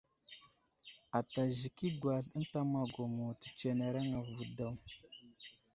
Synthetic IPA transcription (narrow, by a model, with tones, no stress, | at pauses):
a˨ta˨ʒi˨ki˦ɡwa˨ɬə˦n˦ta˦ma˨ɡo˨mo˨ti̥˨t͡ʃe˨ne˨ɾa˦ŋa˨vu˨da˦˨w